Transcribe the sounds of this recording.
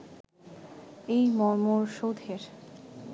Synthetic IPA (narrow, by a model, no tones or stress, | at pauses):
ejmɔɾmoɾʃod̪ʱeɾ